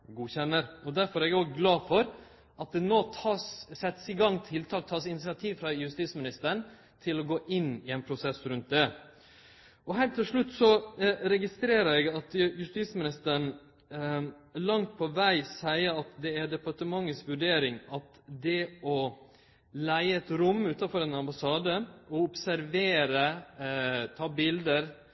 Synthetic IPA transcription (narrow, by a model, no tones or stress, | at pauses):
ɡuːçɛnːəɾɔd̪æɾfɔɾɛɡæɾoːɡəɡlɑːfɔɾ | ʔɑt̪̚d̪ɛnoːt̪ʰɑːssɛt̪ːsiɡɑŋːt̪ʰɪlt̪ʰɑːk̚t̪ʰɑːsɪnɪsɪɑt̪ʰiːʋfɾɑjʉst̪iːsmɪnɪst̪əɾɳ | t̪ʰɪlɔɡoːʔɪnːɪɛnpʰɾʊsɛsɾʉnt̪̚d̪ɛ | ɔɦælt̪ʰɪlʂɭʉt̪ːsɔɾɛɡɪst̪ɾeːɾəɾɛɡɑt̪jʉst̪iːsmɪnɪst̪əɾɳ | lɑŋt̪̚pʰɔʋæɪsæɪəɑt̪d̪ɛæɖɛpɑʈəmɑŋːəsʋʉɖeːɾɪŋɑt̪ | d̪ɛɔ | læɪəɛt̪ɾʊmːʉːt̪ɑfɔɾɛnɑmbɑsɑːd̪əɔʊpsæɾʋeːɾə | t̪ʰɑːbɪld̪əɾ